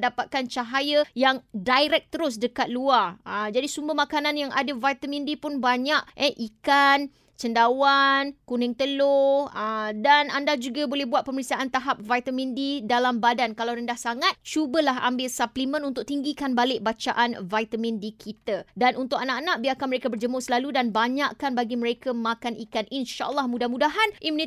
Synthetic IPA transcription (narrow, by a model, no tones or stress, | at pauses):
dapat̪̚kant͡ʃaɦajəjaŋdajɾɛk̚t̪əɾʊs̬dəkat̪̚luarəd͡ʒadisumbəɦmakanãnjaŋʔadavajt̪amĩndipʊnbaɲaʔʔɛʔikan | t͡ʃəndawankunɪŋt̪əloədanandad͡ʒuɡabolɛhbuat̪̚pəməɾiksiaʔant̪aɦap̚vajt̪amĩndidalambadankalawɾəndahsaŋat̪̚t͡ʃubəlaɦʔa̰mbɪlsaplimə̃nunt̪ʊk̚t̪iŋɡikanbalɪʔ̚bat͡ʃaʔanvajt̪amĩndikʰit̪adanunt̪ʊkanaʔanãʔ̚biakanməɾekabərd͡ʒəmʊsəlaludanbaɲaʔkanbaɡiməɾekamakanikanʔinʃa̰ʔə̰lːɑhmudahmudaɦanʔimuni